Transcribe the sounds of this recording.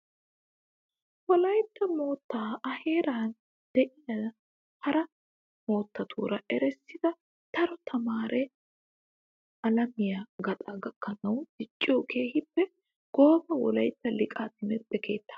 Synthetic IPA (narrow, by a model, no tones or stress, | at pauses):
wɔlɐjt̪ːɐmo̞ːt̪ːaːɐhe̞ːɾaːn | d̪̥ɛʔɪjɐd | hɐɾɐ | mo̞ːt̪ːɐt̪ʰṵːɾɐʔɛɾɛsːɪd̪ɐ | t̪ɐɾɔt̪ʰɐmaːɾɛ | ɐlɐmɪjaɡɐt̪ʼɐɡɐkːɐnɐwd̪̥ɪt͡ʃʼːɪjokʰeːhɪpːɛ | ɡ̥o̞ːbɐwɔ̰lɐjt̪ːɐlɪkʼaːt̪ɪmɛpːɛkʰe̞ːt̪ːḁ